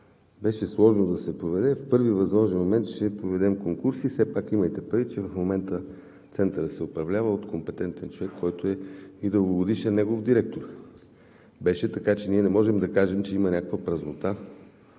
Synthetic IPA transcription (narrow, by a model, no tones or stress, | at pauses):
bɛʃɛslˠɔʒnod̪ɐsɛpɾovɛd̪ɛfpɤɾvivɐzmˠɔʒɛnmomɛnt̪t͡ʃɛpɾovɛd̪ɛmkoŋkuɾsisɛpakiməjt̪ɛpɾɐvit͡ʃɛvɐfmomɛnt̪ə | t̪sɛnt̪əɾət̪sɛʊpɾɐvlʲavəot̪kompɛt̪ɛnt̪ɛnt͡ʃovɛkʰːɔjt̪oɛid̪əlˠɡoɡod̪iʃɛnnɛɡovd̪iɾɛk̚t̪oɾ | bɛʃɛt̪ɐkat͡ʃɛniɛnɛmɔʒɛmd̪ɐkaʒɛmt͡ʃɛimɐnʲakəkvəpɾɐznot̪a